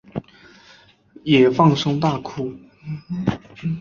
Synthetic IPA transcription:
jɛ˨˩fɑ˥˩˧ŋʂʊ˥ŋt̪a˥˩kʰu˥˩

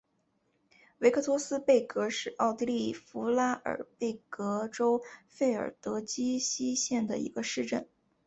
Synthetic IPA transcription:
we˧˥ɪkʰɤ˥˩t̪ʰwɔ˥sɹ̩˥pe˥˩ɪkɤ˧˥ʂɻ̩˥˧ʔɑ˥˩ʊt̪i˥li˥˩fu˧˥la˥ə̰˞˨˩˦pe˥˩ɪkɤ˧˥ʈ͡ʂo˥ʊfe˥˩ɪə̰˞˨˩t̪ɤ˧˥t͡ɕi˥ɕi˥ɕjɛ˥˩nd̪ə˩ḭ˧˥ɡə˧ʂɻ̩˥˧ʈ͡ʂə̰˥˩n

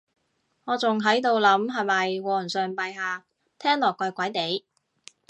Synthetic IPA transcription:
ŋɔː˨˧t͡sʊ˨ŋɦɐ˨˥jt̪̬o˧wlɐ˨˥mɦɐ˨jmɐ˨jwɔː˨˧˨nsœː˨ŋpɐ˨jɦaː˨ | t̪ʰɛː˥ŋlɔː˨˩kʷːɐ˨˧jkʷɐ˨˥jt̪e˨˥j

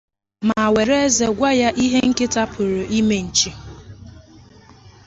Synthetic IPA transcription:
ma˨we˨ɾe˦e˦ze˨ɡʷa˦ja˦ʔi˦ɦe˦ŋ̩˦kɪ˦ta˦pʰʊ˨ɾo˨ʔi˦me˨n̩˨t͡ʃi˦

